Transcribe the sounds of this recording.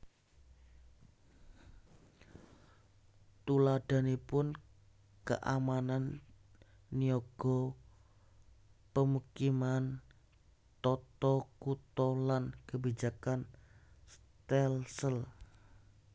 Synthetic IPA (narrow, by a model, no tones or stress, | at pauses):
t̪ulad̥a̤nipʊn | kə̰ʔa̰mananː | ioɡ̥ɔ | pəmukiman | t̪ɔt̪ɔkut̪ɔlankəbid͡ʒakans | t̪ɛlsəl